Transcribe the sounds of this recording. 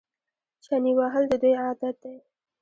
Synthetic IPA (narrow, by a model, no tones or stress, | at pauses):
t͡ʃaniwaɦəld̪əd̪ujɑd̪at̪̚d̪aj